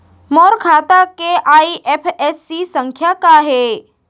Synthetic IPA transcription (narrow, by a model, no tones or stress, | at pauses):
moɾkʰat̪akeʔaiʔepʰesːisəŋkʰjakaɦe